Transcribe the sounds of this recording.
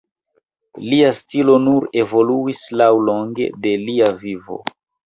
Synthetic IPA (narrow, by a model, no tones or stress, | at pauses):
liastilo̞nuɾe̞vo̞luislawlo̞ŋɡe̞̰de̞liavivo̞̰